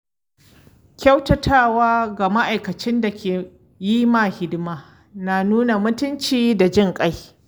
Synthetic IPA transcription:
kʲa˦wtɐ˨tʰaː˦˨waː˦ɡa˨ma˦ʔa˨jkɐ˨t͡ʃɪ˦nda˨kʲeː˨ | jiː˦maː˨hɪ˦dɪ˦maː˦ | na˨nuː˦na˨mʊ˦tʊ˦nt͡ʃiː˦da˨d͡ʒɪ˦ŋkʼa˦j

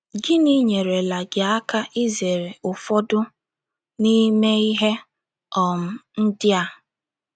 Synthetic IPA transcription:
ɡɪ˦ni˦ɲe˨ɾe˨la˨ɡɪ˨a˦ka˦ʔi˦ze˨ɾe˨ʊ˨fɔ˦dʊ˦ | ni˦me˦i˦ɦe˦ | ɔ˨m̩˦n̩˦dɪ˦a˦

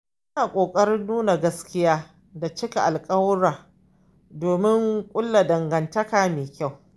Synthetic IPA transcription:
ʔɐ˦naː˨kʷʼoː˨kʼɐ˦ɾɪ˦nːuː˦na˨ɡɐ˦skʲɪ˦jaː˦ | da˨t͡ʃɪ˦ka˨ʔa˨lkʼɐ˦wɾaː˨ | doː˨mɪ˦ŋkʷʼʊ˦lːa˨dɐ˨ŋɡɐ˨ntɐ˦kaː˨meː˨kʲa˦˨w

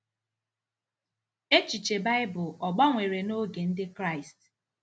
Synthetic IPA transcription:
e˦t͡ʃi˨t͡ʃe˨ba˦ɪ˦bʊ˨ɔ˨ɡ͡ba˦ŋʷe˨ɾe˨no˦ɡe˨n̩˦dɪ˦kɾa˦˨ɪ˨st

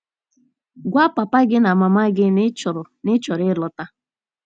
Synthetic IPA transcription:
ɡʷa˦pa˨pa˦ɡɪ˦na˨ma˨ma˦ɡɪ˦nɪ˦t͡ʃʊ˨ɾʊ˨nɪ˦t͡ʃɔ˨ɾɪ˦lɔ˨ta˦

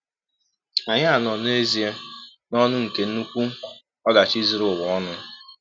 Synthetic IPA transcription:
a˨ɲɪ˦a˨nɔ˨ne˦zi˨e˦ | nɔ˦nʊ˦ŋ̩˨ke˨n̩˦nu˦kʷu˦˨ | ɔ˦da˨t͡ʃi˦zi˨ɾʊ˨wɔ˨ɔ˦nʊ˦

